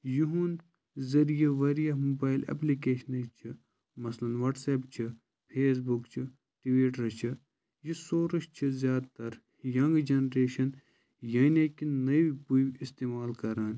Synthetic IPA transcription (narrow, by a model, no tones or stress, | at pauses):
juɦũn | zɐɾijeʋɐɾijɐɦmubaːjlɐ̰plikeːʃɐnɐt͡ʃʰi | mɐslɐnʋɐʈseːpt͡ʃʰi | pʰeːs̬bukt͡ʃʰi | ʈʋiːʈɾɐt͡ʃʰi | jisoːɾɨʃt͡ʃʰizʲjaːd̪t̪ɐɾ | jɐŋɡd͡ʒɐnɾeːʃɐn | jɐneːkinɐʋipuʋist̪eːmaːlkɐɾaːn